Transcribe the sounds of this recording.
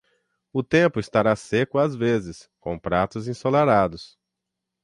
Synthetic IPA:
ʊt̪ẽmpʊɪst̪aɾasekʊazvezɪskõpɾat̪ʊzĩsolaɾad̪ʊs

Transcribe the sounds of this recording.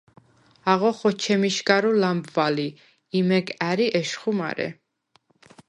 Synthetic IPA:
aʁɔχɔt͡ʃʰɛmiʃɡaɾulambvali | imɛɡaɾiʔɛʃχuma̰ɾɛ̰

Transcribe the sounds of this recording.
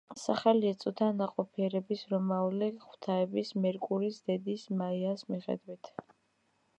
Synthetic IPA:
saχaliɛt̪sʼut̪ʰanaqʼɔpʰiɛɾɛbisɾɔmauliχʰwt̪ʰaɛbismɛɾkʼuɾisd̪ɛd̪ismaiasmiχɛ̰d̪wit̪ʰ

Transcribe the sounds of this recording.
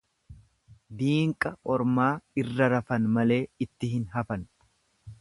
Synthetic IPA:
d̪iːŋkʼɐʔɔɾmaːɪrːɐɾɐfɐnmɐle̞ːɪt̪ːɪɦɪnɦɐfɐn

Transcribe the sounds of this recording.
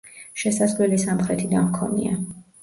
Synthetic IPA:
ʃɛsasvlɛlisamχɾɛt̪ʰid̪anmkʰɔnḭa

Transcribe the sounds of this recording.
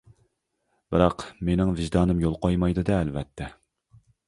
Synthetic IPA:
b̥ɨɾɑqmenɪŋvɪʒd̪ɑːnɨmjolˠqojmɑjd̪ɨd̪ɛːlvɛt̪ʰːɛ

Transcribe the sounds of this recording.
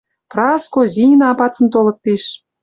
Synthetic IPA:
prɑskozʲinɑɑpɑt͡sə̆nt̪olɤ̆k̚t̪iʃ

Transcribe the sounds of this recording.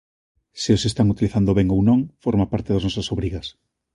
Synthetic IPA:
siosest̪aŋut̪iliθand̪oβeŋownõŋfoɾmapaɾt̪eðaznɔsasoβɾiɣɐs

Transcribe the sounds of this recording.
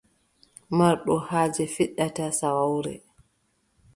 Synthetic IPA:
maɾɗɔhaːd͡ʒɛfiɗːatasawawɾɛ̰

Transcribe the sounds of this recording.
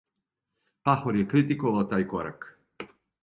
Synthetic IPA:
paxoɾjekɾit̪ikoʋalt̪aːjkoɾa̰k

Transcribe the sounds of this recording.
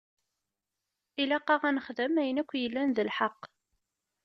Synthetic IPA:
ilæqːɑʁænəχðəmæjənækʷːjəlːænðəlħɑqː

